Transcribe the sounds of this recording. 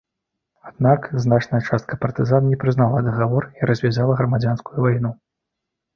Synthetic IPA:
ad̪̚nakznat͡ʂnɐjɐt͡ʂast̪̚kɐpɐrt̪ɨzannʲɛpɾɨznalˠɐd̪ɐɣavɔriɾɐzʲvʲazalˠɐɣɾɐmad͡zʲanskujuvajnu

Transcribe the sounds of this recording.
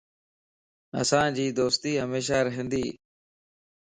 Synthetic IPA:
ə̰sãːd͡ʒiːd̪oːst̪iːɦəmeːʃ̬aːɾəɦə̃nd̪iː

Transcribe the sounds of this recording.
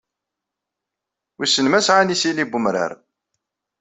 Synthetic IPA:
wisənmæsʕanisilibumɾə̰ɾ

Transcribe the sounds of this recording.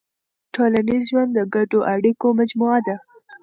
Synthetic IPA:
ʈolanizʒwand̪d̪əɡaɖoʔaɽikomad͡ʒmuad̪a

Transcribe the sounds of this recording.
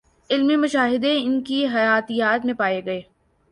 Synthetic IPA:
ɪlmemʊʃaːɦɪd̪eɪnkiɦɐjaːt̪ijaːt̪mẽpaːeɡɐeː

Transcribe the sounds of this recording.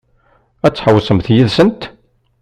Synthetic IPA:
æt͡sːħəwsəmθjiðsənt̪

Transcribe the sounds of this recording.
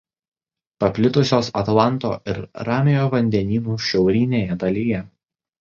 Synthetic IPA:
pɐpʲlʲɪt̪ʊsʲoːsɐt̪lˠɑˑnˑt̪o̰ːɪɾɾɑːmʲɪjoːʋɐnʲd̪ʲɛnʲiːnuːʃʲɛʊɾʲiːnʲeːjɛd̪ɐlʲɪjɛ

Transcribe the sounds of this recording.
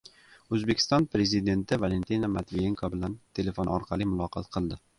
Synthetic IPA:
ɵzbekʲʰɪ̥st̪ɒnpɾe̞zid̪e̞nt̪ʰɪvale̞nt̪ʰinamat̪vijeŋkʰobɪlant̪ʰe̞le̞fonɒ̰ɾqʰɑlˠimʊlˠɒqʰɑ̰t̪qʰɨlˠd̪ɪ

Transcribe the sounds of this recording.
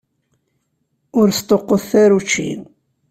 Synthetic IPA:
ʊɾst̪ˤoqːoθθæɾut͡ʃːḭ

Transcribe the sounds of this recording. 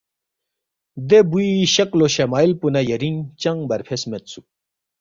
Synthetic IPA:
d̪ebuiɕɐkloɕɐmaːilpunɐjɐɾiŋt͡ɕɐŋbɐɾpʰesmet̪su̥

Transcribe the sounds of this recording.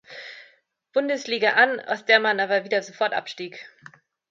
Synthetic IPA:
b̥ʊndəsliːɡaʔana̰ʊsd̥eːɐmanʔaːbɐviːdɐzofɔɐtʔa̰pʃtiːk

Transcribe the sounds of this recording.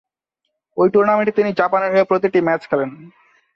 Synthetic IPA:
ojʈuɾnameɳʈit̪inid͡ʑapaneɾɦoepɾot̪iʈimɛt͡ɕkʰɛlen

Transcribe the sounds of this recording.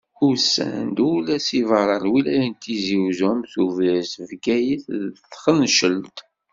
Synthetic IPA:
ʊsːæ̰nd̪ulæsivəɾˤɑɾwilæjænt̪iziwzʊmθuvæsvɡæjəθðθχənʃəlt̪

